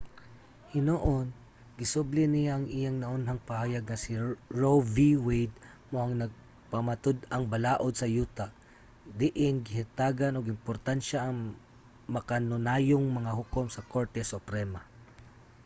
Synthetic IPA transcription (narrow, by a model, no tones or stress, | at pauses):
hɪnoʔon | ɡɪsʊblɪnɪjaʔɐŋʔɪjaŋnɐʔʊnɦaŋpɐhaːjɐɡ̚ŋɐsɪɹoviwɛjd̪̚ | moʔɐŋnɐɡ̚ | pɐmɐt̪od̪ɐŋbɐlaːʔod̪̚sɐjuːt̪a | d̪ɪʔɪnɡɪhɪt̪aːɡanʊɡɪmpoɾt̪anʃaʔːŋ | mɐkanʊnaːjoŋmɐŋaɦʊkomsɐkoɹt̪ɛsʊpɾɛma